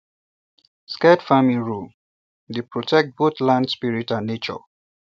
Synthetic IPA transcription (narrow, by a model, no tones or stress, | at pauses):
skɛdfamĩɹul | depɹotʰɛk̚t̚botlãndspiɹitãnːet͡ʃɔ̰